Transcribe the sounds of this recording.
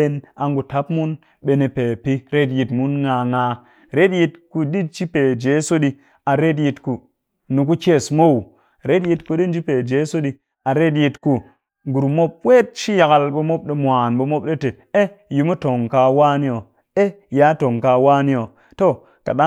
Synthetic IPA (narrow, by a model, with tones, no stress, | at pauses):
e˦na˨ŋɡu˨ta˦pmu˦n | ɓe˨ne˨pe˨pi˦ɾe˦t̬ji˨tmu˦nŋa˨ŋa˨ | ɾe˦tji˨t̚ku˨di˦t͡ʃi˦pe˨d͡ʒe˨˦so˦ɗi˦ | a˨ɾe˦tji˧tku˨ | nu˨k̬u˦ke˦˨smo˦˨w | ɾe˦tji˦tku˦ɗi˦n˦d͡ʒi˦pe˨d͡ʒe˨˦so˦ɗi˦ | a˨ɾe˦t̬ji˧tku˨ | ɡu˨ɾmo˦p̚we˦t̚ʃi˦ja˨ka˨lɓo˨mo˦p̚ɗe˨mʷ˨a˨nɓo˨mo˦pɗe˦te˨ | e˦ji˨mu˦to˨ŋka˨waː˦ni˦o˨ | e˦ja˨˦to˨ŋka˨wa˦ni˦o˨ | to˦˨ | ka˨ɗa˦